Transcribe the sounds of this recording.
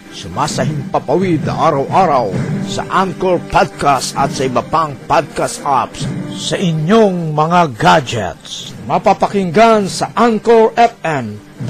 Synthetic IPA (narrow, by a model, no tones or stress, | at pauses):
sʊmasɐɦɪmpapawid̪̚nɐ̰ʔaɾawʔaɾawsɐ̰ʔankoɹpad̪̚kast̪ɐt̪sɐibɐpaŋpad̪̚kasʔapssɐʔɪɲjoŋmɐŋaɡad͡ʒɛ̰t̪smɐpapakɪŋɡansɐʔaŋkoɹʔɛp̚ɛn